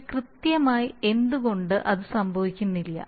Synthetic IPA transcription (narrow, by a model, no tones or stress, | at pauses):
krɨt̪jɐmaːjie̞nd̪uɣo̞ɳɖɨʔɐðɨsɐmbʱɐʋikʲːunːilːɐ̰